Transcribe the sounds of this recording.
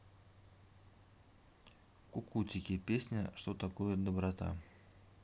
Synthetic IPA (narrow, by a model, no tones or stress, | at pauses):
kʊkutʲɪkʲɪpʲesʲnʲəʂt̪ot̪ɐkojəd̪əbɾɐt̪a̰